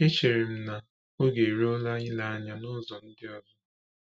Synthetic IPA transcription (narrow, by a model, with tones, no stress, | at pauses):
e˦t͡ʃe˨ɾɪ˨m̩˦na˨ | o˦ɡe˨ɾe˦o˦la˦ɲɪ˦la˨a˦ɲa˦nʊ˦zɔ˨n̩˦dɪ˦ɔ˦bʊ˦